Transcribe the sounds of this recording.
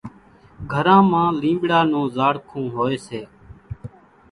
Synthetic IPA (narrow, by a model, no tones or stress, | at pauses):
ɡʱəɾãːmãːlĩːbɽaːnũːzaːɽkʰũːɦoːeːseː